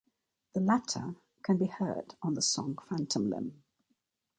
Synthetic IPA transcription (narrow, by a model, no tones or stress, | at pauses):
ðəlatʰə̰ | kʰə̃nbihɜ̰ːdn̩ðəsɒ̰̃ŋfãntʰə̃mlɪ̰̃m